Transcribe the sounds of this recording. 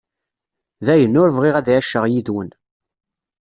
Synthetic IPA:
ðæjənːʊɾvʁiʁæðæʃːəʁjiðwən

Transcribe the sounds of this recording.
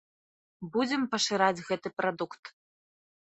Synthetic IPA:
bud͡zʲɛmpɐʂɨɾad͡zʲɣɛt̪ɨpɾad̪ukt̪

